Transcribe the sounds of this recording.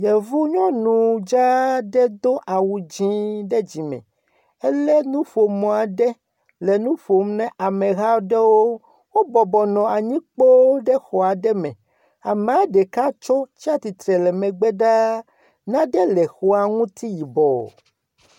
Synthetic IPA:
jɛ˨vu˦ɲɔ̃˦nũ˨d͡ʒa˦ɖɛ˦d̪o˦ʔa˨wu˨d͡ʑĩ˦ɖɛ˦d͡ʑi˨mɛ̰̃˨ | ɛ˦lɛ˦nũ˦ɸo˨mɔ̃˨a˨ɖɛ˦ | lɛ˨nũ˦ɸo˨mnɛ̃˦ʔa˨mɛ̃˨ɣa˦ɖɛ˦wo˦ | wo˦bɔ˨bɔ˨nɔ̃˨a˨ɲĩ˦k͡po˦ɖɛ˦xɔ˨a˨ɖɛ˦mɛ̰̃˨ | a˨mã˨˦ɖɛ˨ka˦t͡ʃɔ˦t͡ɕi˦a˦t̪i˨t̪ɾɛ˨lɛ˨mɛ̃˨ɡ͡bɛ˦ɖa˦ | nã˦ɖɛ˦lɛ˨xɔ˦a˨ŋũ˦t̪i˦ji˨bɔ˨

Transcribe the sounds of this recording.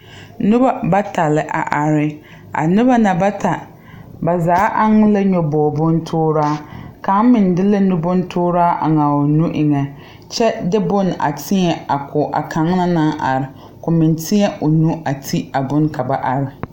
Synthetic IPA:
nʊ˦ba˦ba˦ta˨lɪ˨ʔa̰˨ʔa˨ɾɪ˦ | a̰˨nʊ˦ba˦na˨ba˦ta˨ | ba˨zaː˨˦ʔa˦ŋ˦la˦ɲɔ˨bɔː˨bʊ˦n˦tʰʊː˦ɾaː˦ka˨˦mɪ˨n˨dɪ˦la˦nʊ˦bʊ˦n˦tʰʊː˦ɾaː˦ʔa̰˨ŋa˨o˨nu˦ʔɪ˨ŋɛ˨ | t͡ʃɛ˦dɪ˦bʊ˦na̰˨tʰɪ˦ɲɛ˨a˨kʰʊ˨ʔa̰˨kʰa˨˦ŋ˦na˦na˦ʔa˨ɾɪ˨ | kʊ˨mɪ˨ntʰɪ˦ɲɛ˦ʔo˨nu˦a˨tʰi˦a˨bʊ˦nka˨ba˨ʔa˨ɾɪ˨

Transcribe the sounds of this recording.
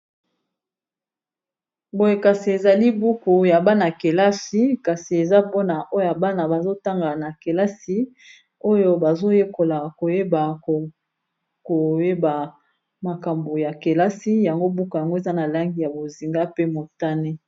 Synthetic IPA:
bo˨je˨ka˨si˨e˨za˨li˦bu˦ko˨ja˨ba˦na˨ke˨la˦si˦ka˨si˨e˨za˦pɔ˦na˨ʔo˦jo˦ja˨ba˦na˨ba˨zo˦ta˦ŋɡa˨na˨ke˨la˦si˦ | o˦jo˦ba˨zo˦je˦ko˨la˨ko˨je˦ba˨ | ko˨je˦ba˨ | ma˨ka˨mbo˨ja˨ke˨la˦si˦ja˨ŋɡo˦bu˦ka˨ja˨ŋɡo˦e˨za˦na˨la˦ŋɡi˦ja˨bo˨zi˨ŋɡa˦pe˦mo˨ta˦ne˦

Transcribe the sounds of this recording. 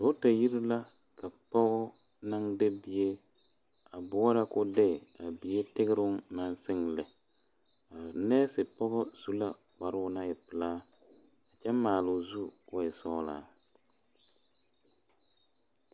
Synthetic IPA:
dʊ˨ʊ˦ta˨ji˦ɾɪ˦la˦ | ka˨pɔ˦ɣɔ˦ | na˦ŋde˦bi˨e˦ | a˨bʊ˦ɔ˦ɾa˦kʊ˦dɛ˦˨a˨bi˨je˦tɪ˦ɣɪ˦ɾʊ˦na˦nsɪ˦ŋlɪ˨ | a˨nɛː˦sɪ˨pɔ˦ɣɔ˦z̥u˦la˦ | ka˨ɾʊ˦ʊ˦na˦ɪ˨pɨ˨laː˦ | a˨t͡ʃɛ˦maː˨lʊ˨zu˦kʊ˦ɪ˨sɔ˦la̰ː˦˨

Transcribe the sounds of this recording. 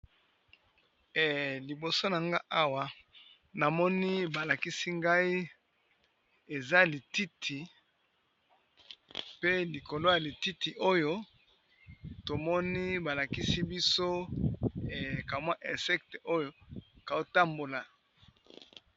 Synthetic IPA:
ɛ˨li˨bo˨so˦na˨ŋɡa˦ʔa˦wa˨ | na˨mɔ˦ni˦ba˨la˨ki˦si˦ŋɡa˦i˦ | e˨za˦li˨ti˦tʰi˨ | pe˦li˨ko˨lo˦ja˨li˨ti˦ti˨ʔo˦jo˦ | to˨mɔ˦ni˦ba˨la˨ki˦si˦bi˦so˦˨ | ka˨mwa˦ʔɛ˨sɛ˦kte˨ʔo˦jo˦ka˨o˦ta˦mbo˨la˨

